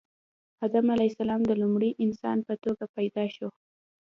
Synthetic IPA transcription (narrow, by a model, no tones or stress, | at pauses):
had̪amalasalɑmd̪əlumɽiʔɪnsɑ̰npət̪oɡapajd̪ɑʃo